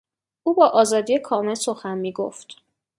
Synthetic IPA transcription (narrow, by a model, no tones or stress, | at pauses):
ʔuːbɒːʔɒːzɒːd̪ijekʰɒːme̞lsoxænmiːɡo̰ft̪